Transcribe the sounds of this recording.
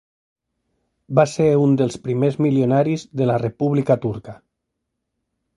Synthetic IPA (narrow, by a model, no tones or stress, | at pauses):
baseɾund̪əlˠspɾimezmiljonaɾizðəlarepuβlikat̪uɾkə